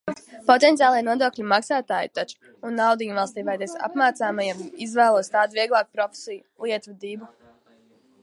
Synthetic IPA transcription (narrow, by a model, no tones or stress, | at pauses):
pɔt̪ent̪sijaːlˠiɛnuɔd̪oːklʲimaksaːt̪aːjit̪at͡ʃu̥ | unːawd̪iːɲvalˠst̪iːvajd̪ɛsa̰pmaːt̪saːmajamizvæːlˠuɔst̪aːd̪viɛɡlˠaːkupɾɔfʲe̥sijulˠiɛt̪vud̪ibu